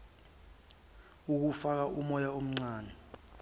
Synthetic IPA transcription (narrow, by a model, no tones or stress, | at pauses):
uk̬ufak̬aʔumɔjaom̩ŋ͡ǀaːnɛ